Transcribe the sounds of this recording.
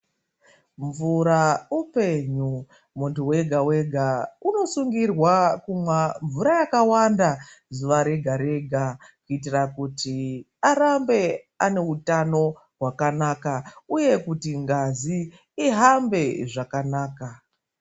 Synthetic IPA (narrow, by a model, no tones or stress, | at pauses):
ɱvuɾaupe̞ɲu | muntuwe̞ɡʱawe̞ɡʱauno̞suŋɡirwakumwaɱvuɾajakawandazuʋaɾe̞ɡʱaɾe̞ɡʱakuit̬irakuti | aɾambe̞ | ane̞utano̞ | ɦwakanakauje̞kutiŋɡaziː | ɦambe̞ʐakanaːka